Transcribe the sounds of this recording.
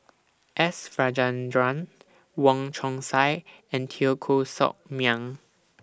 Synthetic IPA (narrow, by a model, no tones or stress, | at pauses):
ʔɛsfɹad͡ʒãndɹãn | wɔ̃ŋt͡ʃʰɔ̃ŋsaj | ɛ̃ntʰiokʰosɔ̰k̚mjãŋ